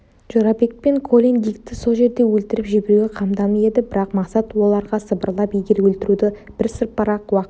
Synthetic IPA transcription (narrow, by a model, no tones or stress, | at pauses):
ʒ̥oɾɑbe̞kpe̞ŋkʰo̞lʲeŋɡʲijkt̪ɪso̞lˠʒe̞ɾd̪e̞wɵlt̪ɪɾɪpʒɪbe̞ɾuɡʲe̞qʰɑmd̪ɑməe̞d̪ɪbɪɾɑqmɑqsɑt̪wo̞lˠɑɾʁɑsəbəɾlˠɑpijɡʲeɾwɵlt̪ɪɾud̪ɪb̥ɪɾsəɾpːɑɾɑqwɑq